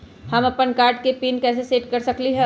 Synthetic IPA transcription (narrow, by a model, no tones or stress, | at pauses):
hɐmɐpənkaːɾʈ̚kepiːnkɛːs̬eseːʈkɐɾsɐkliɦɛ